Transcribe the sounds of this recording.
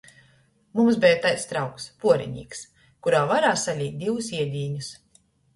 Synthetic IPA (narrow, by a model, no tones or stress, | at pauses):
mums̬bʲɛjat̪ajst̪ɾawkspuɔɾḭɲḭːks | kuɾaːvaɾaːsalʲiːt̪̚d̪ʲivusiɛd̪ʲiːɲus